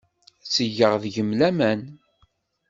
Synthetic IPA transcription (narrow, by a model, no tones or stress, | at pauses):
səʝːəʁðʝəmlæmæn